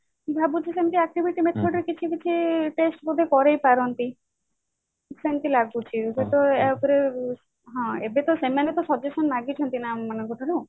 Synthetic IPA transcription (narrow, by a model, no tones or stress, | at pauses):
bʱabut͡ʃʰisent̪iak̚ʈibʱiʈimet̪ʰɔɖɾkit͡ʃʰibit͡ʃʰiʈesʈbud̪ʱekɔɾejpaɾɔnt̪i | sent̪ilaɡut͡ʃʰibet̪ɔep̪uɾe | ɦɔ̃ḛbet̪ɔsemanet̪ɔsɔd͡ʒesɔnmaɡit͡ʃʰɔnt̪inammanɔŋkɔʈʰɔɾo